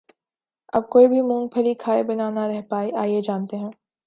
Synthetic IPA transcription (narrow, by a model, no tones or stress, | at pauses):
ɐb̚koːibʱimũːŋɡ̚pʰɐlikʰaːebɐnanaɾɛɦpaːiʔaːied͡ʒaːnt̪eɦɛ̃ː